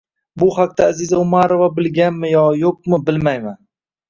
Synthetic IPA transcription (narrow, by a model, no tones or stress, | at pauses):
bʊhaq̚t̪aːzizaʊmaɾo̞vabɪlɡʲanmɪjɒjoq̚mɪbɪlmajman